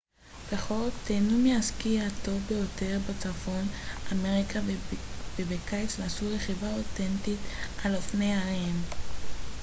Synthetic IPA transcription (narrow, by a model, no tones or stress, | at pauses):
peχo̞ltːenumeaskiato̞vbejo̞te̞ʁbat͡safo̞name̞ʁikʰa | bebekajt͡slasuʁeχivaotentitalofnejaʁim